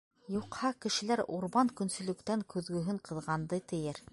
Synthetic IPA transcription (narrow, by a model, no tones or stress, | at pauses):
juqhɑkɘ̆ʃɘ̆læɾuɾβɑŋkɵ̆nsɵ̆lɵ̆kt̪æŋkɵ̆ðɡɵ̆ɦɵŋqɤ̆ðʁɑnd̪ɤt̪ɘ̆jɘɾ